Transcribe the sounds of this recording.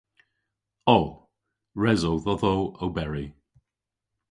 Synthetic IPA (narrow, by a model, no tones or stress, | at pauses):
oː | ɹɛzowðɔðowowbɛɹi